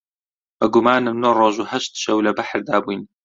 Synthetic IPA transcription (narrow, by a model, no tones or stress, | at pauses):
b̥ɐɡumaːnɨmnoːrˤoːʒuːhɐʃt̪ʃɐwlɐbaħɾd̪aːbujn